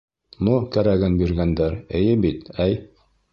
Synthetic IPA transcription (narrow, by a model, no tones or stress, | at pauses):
nukæɾæɡɘnbiɾɡænd̪æɾɘ̰̆jɘbit̪æj